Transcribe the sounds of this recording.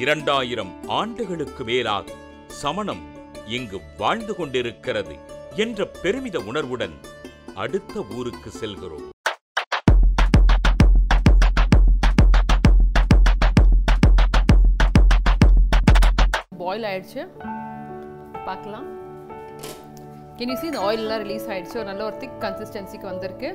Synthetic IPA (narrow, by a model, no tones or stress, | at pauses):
ɪɾɐɳɖaːjɪɾɐmaːɳɖɯɣɐɭɯkːɯmeːla̰ːɣɐ | sɐmɐnɐm | ɛŋɡɯʋaːɻnd̪ɯkɔɳɖɪɾɯkːɪrɐðɯ̰ɛndrɐpːɛɾɯmɪðɐʊnɐɾʋɯɽɐn | ɐ̰ɽɯt̪ːɐuːɾɯkːɯsɛlɣɪro̰ːm | baːjɪlaːjɪɽt͡ʃːɯ | paːɾkɐlãː | kɪniːsiːnd̪ɐoːjɪlɛlːãːɾɪliːsaːjɪɽt͡ʃːɯɔɾɯnɐlːɐɔɾɯt̪ɪkːɐnsɪsʈɐnsikːɯʋɐnd̪ɪɾkːɯ